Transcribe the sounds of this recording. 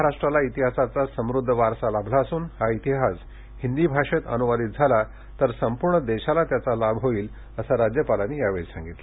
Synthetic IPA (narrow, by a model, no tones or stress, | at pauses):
əɦaɾaʂʈɾalait̪iɦasat͡sasəmɾud̪ʱːəʋaɾsalabʱlaəsuːnhait̪iɦas | hind̪iːbʱaʂet̪ə̰nuʋad̪iːt̪̚d͡zʱala | t̪əɾsəmpuɾɳəd̪eɕalat̪jat͡salabɦoiːl | əsaɾad͡ʑjəpalaniːjaʋesã̰ŋɡit̪la